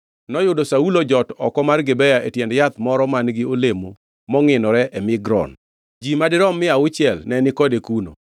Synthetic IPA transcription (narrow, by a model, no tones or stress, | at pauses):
nɔjʊdɔsaulod͡ʒɔtɔ̰kɔmarɡɪbɛjaʔetjɛndjat̪mɔɾɔmanɡɪolemo | mɔŋɪnɔɾɛʔɛmɪɡɾɔ̰n | d͡ʒimadɪɾɔmːɪaʊt͡ʃɪɛlnɛnɪkɔdekuno̰